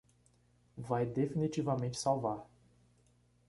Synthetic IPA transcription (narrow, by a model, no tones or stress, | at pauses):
vajd̪efinit͡ʃivɐmẽnt͡ʃɪ̥sawvaɾ